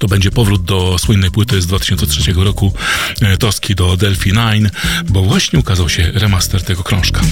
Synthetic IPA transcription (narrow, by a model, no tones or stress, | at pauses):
t̪ɔbɛɲd͡ʑɛpɔvɾud̪̚d̪ɔswɘnːɛjpwɘt̪ɘzd̪vat̪ɘ̥ɕɔnsɛtʂɛt͡ɕɛɡɔɾɔkut̪ɔskʲid̪ɔd̪ɛlfʲinajnbɔvwaɕɲɛukazawɕɛɾɛmast̪ɛɾt̪ɛɡɔkɾɔ̃ʂkḁ